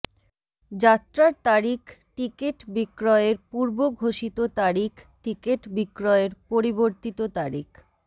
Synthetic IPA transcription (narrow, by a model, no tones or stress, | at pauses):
d͡ʑat̪ːɾaɾt̪aɾikʈikeʈbikɾɔeɾpuɾboɡʱoʃit̪ot̪aɾikʈikeʈbikɾɔeɾpoɾiboɾt̪it̪ot̪aɾik